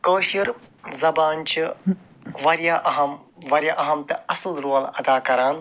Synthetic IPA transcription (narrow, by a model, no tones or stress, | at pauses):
koːʃiɾzɐbaːnt͡ʃʰi | ʋɐɾjaːʔɐɦɐmʋɐɾʲjaʔɐɦɐmt̪ɐɐslɾuːɐlɐd̪aːkɐɾaːn